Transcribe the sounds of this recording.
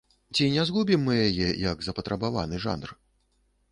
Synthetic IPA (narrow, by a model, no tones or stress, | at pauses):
t͡sʲinʲɛzɣubʲimːɨjajɛjɐɡzɐpɐt̪ɾʔɐbava̰nɨʐa̰nr